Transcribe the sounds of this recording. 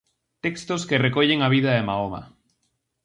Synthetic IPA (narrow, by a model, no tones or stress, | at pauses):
t̪ekst̪oskerekɔʎeŋaβiðɐemaoma̰